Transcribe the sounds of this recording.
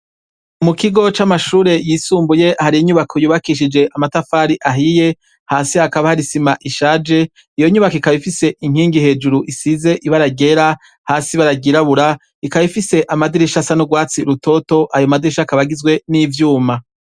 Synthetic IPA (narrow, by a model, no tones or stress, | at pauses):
umukiɡo̞t͡ʃamaʃuːɾe̞jiːsuːmbuje̞ʔahaɾiiɲuβakʰojuːβakiʃ̬id͡ʒe̞ʔamatafaːɾiʔaɦije̞ | haːsiakaβahaɾisimaʔiʃaːd͡ʒe̞ | ijo̞ɲuβakoikaβifise̞ʔiŋ̥hiːŋɡihe̞ːd͡ʒuɾuʔisize̞ʔiβaɾaɡe̞ɾa | haːsiβaɾaɡiɾaβuɾa | ikaβifise̞ʔamadiɾiʃasanuɡwaːt͡siɾuto̞to̞ʔajomad̪iɾiʃakaβaɡizɡwe̞niːvjuːma